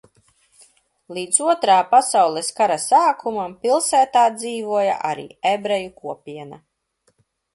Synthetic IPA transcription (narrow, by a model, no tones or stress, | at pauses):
lˠiːd̪zuɔt̪ɾaːpasawlˠɛskaɾasaːkʰumampilˠsæːt̪aːd̪ziːvuɔja̰ʔa̰ɾḭːebɾɛjukuɔpʲiɛna̰